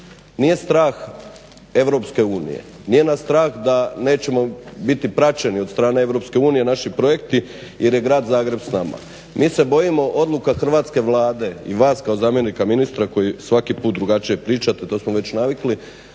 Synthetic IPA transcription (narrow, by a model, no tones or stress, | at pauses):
nije̞st̪ɾaːx | e̞ʋɾo̞pske̞uːnḭjḛ | nije̞nast̪ɾaːxd̪ane̞ːt͡ɕe̞mo̞bit̪ipɾat͡ʃe̞niod̪st̪ɾaːne̞e̞ʋɾo̞pske̞uːnije̞naʃipɾo̞je̞kt̪ije̞ɾje̞ɡɾaːd̪zaːɡɾe̞bsnama̰ | mʔiːse̞bo̞jimo̞ʔo̞d̪lˠukaxr̩ʋaːt̪ske̞ʋlaːd̪e̞iʋaːskaozaːmje̞nikaminist̪ɾako̞jisʋakipuːt̪̚d̪ɾuɡat͡ʃijepɾiːt͡ʃat̪et̪o̞ːsmoʋe̞t͡ɕnaʋikli